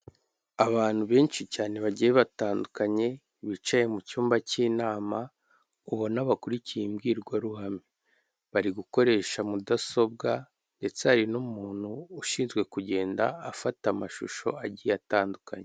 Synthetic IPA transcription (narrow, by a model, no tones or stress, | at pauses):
aβaːn̥huβe̞ːnt͡ʃicaːne̞βaɟijeβataːndukaɲe̞ | βit͡ʃaje̞mucuːmbaciːnaːma | uβo̞naβakuɾicijemɡiːɾɡwaɾuhami | βaɾiɡuko̞ɾe̞ːʃamudaso̞b̚ɡa | nde̞t͡seaɾinumuːn̥huːʃiːnzɡwe̞kuɟe̞ːnda̰ːfatamaʃṵʃo̞̰aɟijataːndukaɲe